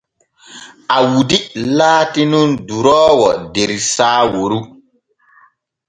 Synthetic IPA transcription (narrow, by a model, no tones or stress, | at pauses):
awudilaːtinunduɾɔːwɔdeɾisaːwoɾu